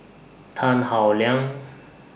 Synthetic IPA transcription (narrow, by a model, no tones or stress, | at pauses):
t̪ʰanhawlɛŋ